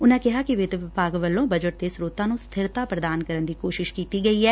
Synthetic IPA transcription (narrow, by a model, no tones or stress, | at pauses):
ʊnãːkɪɦaːkɪʋɪd̪ʋɪpaːɡʋəlːõːbəd͡ʒəʈ̚d̪esɾoːt̪ãːnũːst̪ʰɪɾt̪aːpɾəd̪aːnkəɾənd̪iːkoːʃɪʃkiːt̪iːɡəiːɦɛː